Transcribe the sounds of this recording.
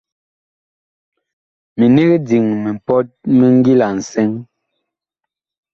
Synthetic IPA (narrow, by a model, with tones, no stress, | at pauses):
mi˨ne˦ɣe˦di˨ŋmɛ˨m̩˨pɔ˦t̚mɛ˦ŋ˦ɡi˦la˨n̩˨sɛ˦ŋ